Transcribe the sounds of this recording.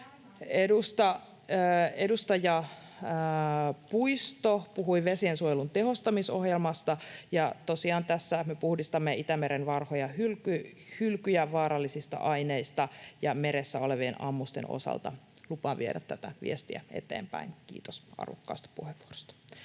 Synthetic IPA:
edust̪ɑ | edust̪ɑjɑ | puist̪opuhuiʋesiensuojelunt̪eɦost̪ɑmisohjelmɑst̪ɑjɑt̪osiɑːnt̪æsːæmepuhdist̪ɑmːeʔit̪æmeɾenʋɑrhojɑhylkyhylkyjæʋɑːɾɑlːisist̪ɑ̰ʔɑineist̪ɑjɑmeɾesːæoleʋienɑ̰mːust̪ḛnʔo̰sɑ̰lt̪ɑ̰ | lupɑːʋieɾæt̪ːæt̪æʋḭest̪iæ̰ḛt̪ḛːmpæ̰inkḭːt̪osɑ̰rʋokːɑ̰ːst̪ɑ̥puheʋːuoro̥st̪ɑ̥

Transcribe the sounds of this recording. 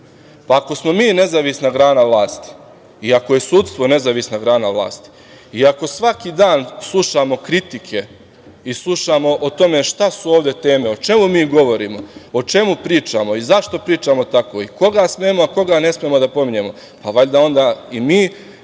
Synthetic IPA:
paːko̞smo̞miːne̞zaʋisnaɡɾaːnaʋlˠaːst̪i̥ | iakoje̞suːt̪st̪ʋo̞ne̞zaʋisnaɡɾaːnaʋlˠa̰ːst̪i̥ | iako̞sʋakid̪aːnslˠuʃaːmo̞kɾit̪ikʰe̞ | islˠuʃaːmo̞ʔot̪o̞me̞ʃt̪asuo̞ːʋd̪e̞t̪e̞ːme̞o̞t͡ʃe̞mumiːɡo̞ʋo̞ɾiːmo̞ot͡ʃe̞mupɾiːt͡ʃaːmo̞izaʃt̪o̞pɾiːt͡ʃaːmo̞t̪ako̞ːiko̞ɡasmeːmoako̞ɡane̞smemo̞d̪apo̞miɲe̞mo̞ | paʋaʎd̪ao̞nd̪aːimiː

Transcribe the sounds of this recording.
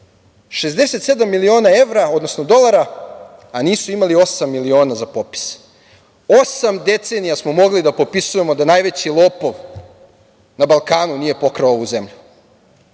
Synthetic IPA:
ʃe̞zd̪e̞se̞t̪se̞d̪amːilio̞ːnae̞ʋɾao̞d̪nosno̞d̪o̞lˠaɾa | aniːsuimalio̞samːilio̞ːnazapo̞pi̥s | o̞samd̪e̞t̪se̞nijasmo̞mo̞ɡlid̪apo̞pisuje̞mo̞d̪anaːjʋe̞t͡ɕilˠo̞ːpo̞ʋ | nabalˠkaːnunije̞po̞kɾaouze̞mʎu

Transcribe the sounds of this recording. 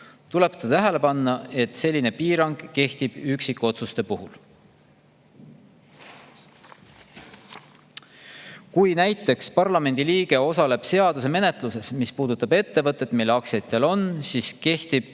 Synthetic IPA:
t̪ule̞pt̪ɑt̪æɦe̞le̞pɑnːɑe̞t̪ˑse̞lʲːine̞piːɾɑŋɡ̥kːe̞ht̪ib̥yksikːˑo̞t̪sust̪e̞puhul | kujnæjt̪ːˑe̞kspɑrlɑme̞nd̪̥iliːɡ̥e̞o̞sɑle̞b̥se̞ɑd̪use̞me̞ne̞t̪ˑluse̞smispuːd̪̥ut̪ːˑɑbe̞t̪ːe̞vɤt̪ˑːe̞t̪milːeɑksjɑt̪ːˑe̞lo̞nsiːske̞ht̪ib̥̚

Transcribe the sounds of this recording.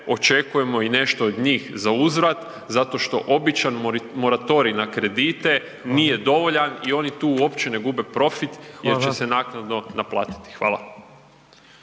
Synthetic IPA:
o̞t͡ʃe̞kuje̞mo̞ine̞ʃt̪o̞ːd̪ɲiːxzauzɾat̪ | zat̪o̞ʃt̪o̞ʔo̞bit͡ʃanmo̞ɾat̪o̞ɾinakɾe̞d̪iːt̪e̞ | nije̞d̪o̞ʋo̞ʎanio̞nit̪uːo̞pt͡ɕene̞ɡube̞pɾo̞fit̪jeɾt͡ʃe̞se̞naknad̪no̞naplˠa̰ːt̪i̥t̪i̥xʋa̰ːla̰

